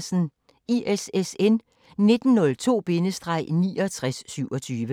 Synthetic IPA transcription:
sn̩ | iʔesesen | ne̝d̥n̩nɔ̽lt͡sʰo̝̰ːb̥e̝nəsd̥ʁɑ̈ɪ̰niːɒt͡sʰʁasːyʊɒ̽t͡sʰyːʋə

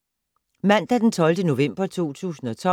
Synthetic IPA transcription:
mæn̰d̥æd̥ent͡sʰɒ̽ld̥əno̝ʋem̰b̥ɐt͡sʰo̝̰ːt͡sʰṵːsn̩ɒ̽t͡sʰɒ̽

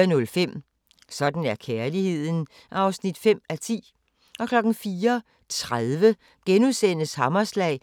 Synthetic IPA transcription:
ɐnɔ̽lfem̰ | sɒ̽d̥n̩æɐkʰeɐlihe̝ð̞̰ˠn̩ | ʔɑ̈ʊsnid̥fem̰æt͡sʰḭː | ʔɒ̽kʰlɒ̽ɡ̥n̩fiːɐ | t͡sʰʁaðˠʋə | ɡ̥enuðˠsen̰əshɑ̈mɐslɛ̰ɪ

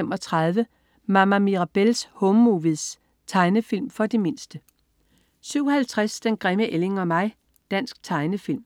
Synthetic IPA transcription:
emɒ̽t͡sʰʁɑð̞ˠʋə | mɑ̈mæmiʁɑ̈b̥elshɔmːuʋiðˠs | t͡sʰɑ̈ɪnəfil̰mfɒ̽d̥e̝me̝nsd̥ə | syʊ̰hælt͡sʰʁasd̥enɡ̥ʁɛməʔele̝ŋɒ̽mɑ̈ɪ̰ | d̥æn̰sɡ̥̚t͡sʰɑ̈ɪnəfil̰m

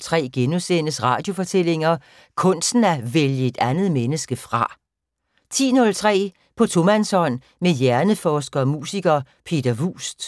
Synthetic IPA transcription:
t͡sʰʁɛ̰ːɡ̥enusenəsʁɑ̈ːd̥jo̝fɒ̽t͡sʰel̰e̝ŋɐ | kʰɔ̽n̰sn̩æʋeljəe̝d̥ænð̩ˠmenəsɡ̥əfʁɑ̈ | t͡sʰḭːnɔ̽lt͡sʰʁɛ̰ː | pʰɒ̽t͡sʰo̝mænsɒ̽n̰ | mejæɐnəfɒːsɡ̥ɐːmṵːsiɡ̥ɐ | pʰe̝̰ːd̥ɐʋṵːsd̥

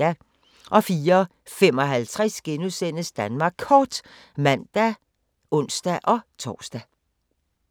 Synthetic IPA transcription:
æ | ʔɒ̽fiːɐ | fem̰ɒ̽ɦælt͡sʰʁɛsɡ̥enuðˠsen̰əsd̥ænmɑ̈ːɡ̥ʰɒːd̥ | mæn̰d̥æ | ʔɔ̽n̰sd̥æʔɒ̽t͡sʰɒ̰ːsd̥æ

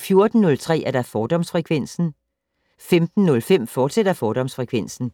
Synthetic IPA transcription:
fjo̝ɐd̥n̩ːɔ̽lt͡sʰʁɛ̰ːæɐd̥ɑ̈fɒːd̥ɒ̽msfʁɛkʰʋen̰sn̩ | femd̥n̩ːɔ̽lfem̰fɒːd̥sed̥ɐfɒːɾ̥ɒ̽msfʁɛkʰʋen̰sn̩

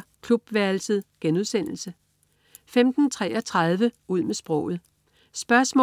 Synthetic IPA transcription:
kʰlub̥ʋæɐlsəð̰ˠɡ̥enuð̞ˠsen̰l̩sə | femd̥n̩t͡sʰʁɛ̰ːʔɒ̽t͡sʰʁɑð̞ˠʋəuð̞̰ˠmesb̥ʁɔ̽ʊ̰ð̩ˠ | sb̥ɶɐsmɔ

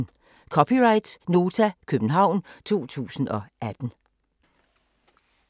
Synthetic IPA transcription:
n | kʰɒ̽pʰiʁɑ̈ɪd̥sno̝ːt͡sʰækʰøb̥n̩ɦɑ̈ʊ̰nt͡sʰo̝̰ːt͡sʰṵːsn̩ɒ̽ʔæd̥n̩

